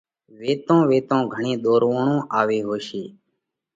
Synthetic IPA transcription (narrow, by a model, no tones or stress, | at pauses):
ʋeːt̪õːʋeːt̪õːɡʱəɳĩːɗ̪oːɾʋoːɳõːʔaːʋeːɦoːʃeː